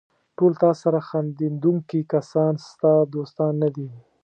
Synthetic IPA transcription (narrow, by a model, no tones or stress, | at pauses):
ʈolt̪ɑsaɾaxɑnd̪ind̪uŋkikasɑnst̪ad̪ost̪ɑnːad̪i